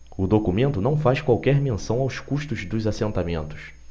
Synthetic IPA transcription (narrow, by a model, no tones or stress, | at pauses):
ʊd̪okumẽnt̪ʊnɐ̃w̃fajskwawkɛɾmẽsɐ̃w̃awskuʃt̪ʊzd̪ʊzasẽnt̪amẽnt̪ʊ̥s